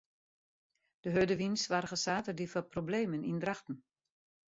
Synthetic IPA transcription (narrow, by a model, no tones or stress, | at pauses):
d̥əɦødəʋinsʋaːrɣəsaːtədifɔprobleːmənindraxtn̩